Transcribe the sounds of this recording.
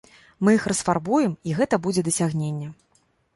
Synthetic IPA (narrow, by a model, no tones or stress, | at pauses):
mɨjixrɐsfarbujɛmiɣɛt̪ɐbud͡zʲɛd̪ɐsʲaɣnʲenʲːɛ